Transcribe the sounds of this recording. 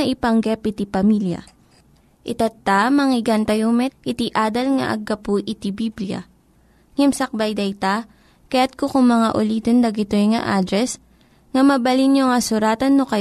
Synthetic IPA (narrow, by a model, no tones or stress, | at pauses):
ɐʔɪpɐŋɡɛpɪt̪ipɐmiljɐ̰ | ʔɪt̪ɐt̪ːamɐŋɪɡant̪ɐjomɛʔɪt̪iʔaːd̪ɐlŋɐ̰ʔɐ̰ɡːɐpuʔɪt̪ibibljɐ̰ | ŋɛmsɐk̚bɐjd̪ɐjt̪a | kɐjat̪̚kokʊŋmɐŋaʔʊliːt̪ond̪ɐɡɪt̪ojŋɐ̰ʔaːd̪ɾɛs | ŋɐmɐbɐlinjoŋɐsʊɾaːt̪ɐnːokɐ